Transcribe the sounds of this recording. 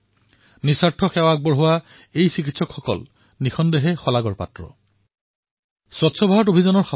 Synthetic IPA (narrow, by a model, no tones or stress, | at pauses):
nisaɹtʰɔxɛwak̚bɔɹɦʊwa | ejsikitsɔkxɔkɔ̰l | nixɔndeɦɛxɔlaɡɔɹpa̰tɹɔ̰ | sɔtsʰɔbʱaɦɔtobʱizanɔɹxa